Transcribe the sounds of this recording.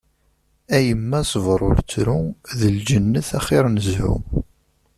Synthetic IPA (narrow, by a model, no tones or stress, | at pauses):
æjəmːæsˤəvɾˤʊ̰ɾt͡sːɾuðəld͡ʒənːəθæχɪɾˤnəzhṵ